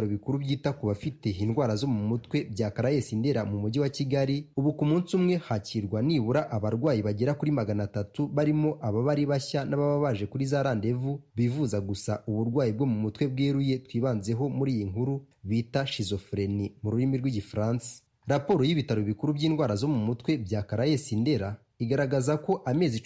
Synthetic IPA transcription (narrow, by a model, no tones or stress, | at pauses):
ɾoβikuɾubjiːtakuβafite̞inɡwaːɾazo̞mumutwe̞bɟaːkaɾaje̞sinde̞ɾamumuɟiwaciɡaɾiuβukumuːnsumŋe̞haciɾɡwaniːβuɾaʔaβaɾɡwaːjiβaɟeɾakuɾimaɡanatatuβaɾimo̞ʔaβaβaɾiβaçanaβaβaβaʒe̞kuɾizaːɾaːnde̞vuβivuzaɡusaʔuβuɾɡwaːjib̚ɡo̞mumutwe̞bɡeːɾuje̞twiːβaːnze̞ɦo̞muɾiːjiŋhuɾuβiːtaʃizo̞fɾe̞nimuɾuɾimiɾɡwiɟifɾaːnsi̥ | ɾapo̞ɾojiβitaɾoβikuɾubɟiːnɡwaːɾazo̞mumutwe̞bjaːkaɾaje̞sinde̞ɾa | iɡaɾaɡazako̞ʔameːzi